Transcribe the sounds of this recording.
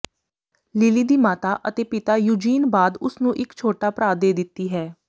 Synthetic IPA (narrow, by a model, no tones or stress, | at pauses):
lɪliːd̪iːmaːt̪aːʔə̰t̪eːpɪt̪aːjuːd͡ʒiːnbaːd̪ʊsnũːʔɪkt͡ʃʰoːʈaːpɾaːd̪eːd̪ɪt̪ːiːɦɛː